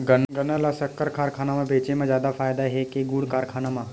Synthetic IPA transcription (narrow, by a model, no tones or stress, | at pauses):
ɡɐnɡɐnalasɐkːəɾkʰaːɾkʰaːnamãbeːt͡ʃemãzjaːd̪afaːjd̪aɦɛkeɡuːɽkaːɾkʰaːnamã